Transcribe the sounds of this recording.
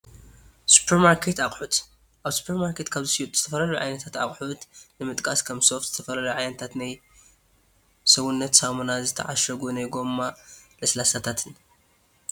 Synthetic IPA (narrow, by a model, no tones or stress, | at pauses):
su̥pʰeɾmaɾkʰet̪aχʼħut̪ | ʔaβsu̥pʰeɾmaɾkʰe̞t̪kʰaβzɨsit̪z̥ɨt̪ʰɐfɐlɐluʕa̰jnɐt̪ʰat̪a̰χʼħut̪nɨmɨt̪ʼkʼaskʰɐmso̞ft̪z̥ɨt̪ʰɐfɐlɐlɐjʕajnɐt̪ʰat̪naj | sɐwunːɐt̪samonazɨt̪ʰɐ̰ʕaʃɐɡunajɡo̞mːaʔɨslasat̪ʰat̪ʰɨn